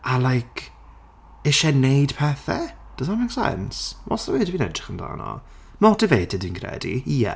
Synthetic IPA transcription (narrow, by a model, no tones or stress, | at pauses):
alˠajkʰ | eʃɛnejd̥pʰɛθɛd̥əsamaksɛ̰nsvɔ̰səwiːdviːnɛdrɪχənda̰ːnɔ̰ | nɔdəveːdɪdinkʰrɛ̰dḭiɛ̰